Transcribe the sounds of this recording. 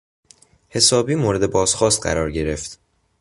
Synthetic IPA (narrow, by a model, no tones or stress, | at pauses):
he̞sɒːbiːmoːɾe̞d̪e̞bɒːz̥xɒːst̪̚ɢæ̰ɾɒːɾɟe̞ɾe̞ft̪